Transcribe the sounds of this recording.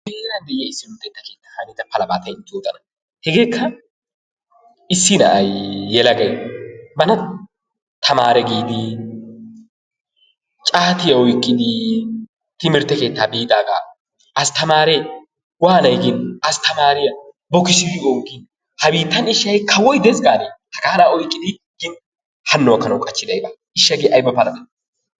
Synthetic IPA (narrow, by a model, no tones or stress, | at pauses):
beːɾɐnd̪ɛʔɪjɐɪsːɪmɪɾt̪ːɛt̪ːɐke̞ːt̪ːḁːhɐnɪt̪ɐpɐlɐbaːt̪ɐjɪnt͡ʃ̪ʼːoːt̪ʼɐnɐ | hɛɡeːkːɐ | ɪsːɪnɐ̰ʔɐjːɛlɐɡɐjmɐnɐ | t̪ʰɐmaːɾɛɡiːd̪ɪ | t͡ʃʼaːt̪ɪjɐwɔjkʼːɪd̪ɪ | t̪ɪmɪɾt̪ːɛke̞ːt̪ːaːbiːt̪ʼaːɡa̰ː | ɐst̪ɐmaːɾɛj | waːnɐjɡɪnɐst̪ɐmaːɾɪjɐ | bɔkɪsɪwɪoːŋɡɪn | hɐbiːt̪ːɐnɪʃːɐjkʰɐwɔjd̪ɛzɡaːnehɐkaːlaːɔjkʼːɪd̪ɪ | ɡɪn | hɐnːɔɐkːɐnɐwkʼɐt͡ʃːɪd̪ɐjba | ɪʃːɐɡeʔɐjbɐpɐlɐd̪ɐ